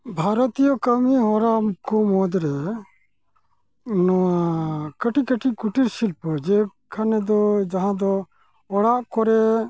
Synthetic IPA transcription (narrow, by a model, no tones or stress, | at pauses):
bʱaɾɔt̪ijɔkəmiɦɔɾamkɔmɔd̪ɾɛ | nɔakəʈikəʈikuʈiɾsilpɔd͡ʒɛ | kʰanɛd̪ɔd͡ʒaɦãd̪ɔ | ɔɽaʔkɔɾɛ